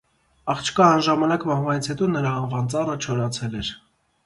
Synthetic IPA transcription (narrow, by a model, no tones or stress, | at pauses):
ɑχt͡ʃʰə̥kɑːnʒɑmɑnɑkmɑhvɑnit͡sʰhɛt̪ɔnəɾɑːnvɑnt͡sɑrət͡ʃʰɔɾɑt͡sʰɛlɛɾ